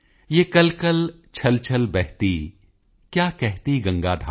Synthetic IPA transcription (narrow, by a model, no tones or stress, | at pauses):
jeːkɐlkɐl | t͡ʃʰɐlt͡ʃʰəlbɛɦt̪i | kjaːkɛɦt̪iɡɐ̃ŋɡaːd̪ʱa